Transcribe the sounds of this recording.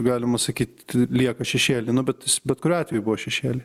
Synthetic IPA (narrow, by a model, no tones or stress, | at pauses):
ɡɑːlʲɪmɐsɐkʲiːt̪̚ʲlʲiɛkɐʃʲɛʃʲeːlʲɪnʊbʲɛt̪ɪsbʲɛt̪kʊɾʲʊɑːt̪ʲʋʲɛjʊbʊʋoːʃʲɛʃʲeːlʲɪ